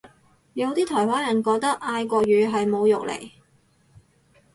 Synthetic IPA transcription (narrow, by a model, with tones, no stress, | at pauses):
jɐ˨˧wt̪iː˥t̪ʰɔː˨˩jwaː˨˥njɐ˨˩nkɔː˧k̚t̪ɐ˥k̚ʔaː˧jkʷɔː˧ɥyː˨˧ɦɐ˨jmo˨˧wjʊ˨k̚lḛ˨˩j